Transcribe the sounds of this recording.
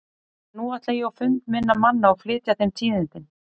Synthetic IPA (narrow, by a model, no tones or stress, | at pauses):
nuːaht̪lajiɔwfʏnt̪mɪnːamanːaɔɣflɪːt̪jaθejmt̪ʰiːðɪnt̪ɪn